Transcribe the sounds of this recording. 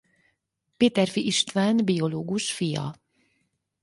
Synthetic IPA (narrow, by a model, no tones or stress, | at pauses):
peːt̪ɛrfiʔiʃt̪ʋaːnbio̞loːɡuʃfijɒ̰